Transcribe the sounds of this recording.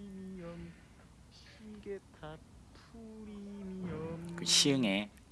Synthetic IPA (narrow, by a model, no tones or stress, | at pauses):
mn | ɕ | iɡetʰa | pʰuɾimkɯɕʰiɯŋe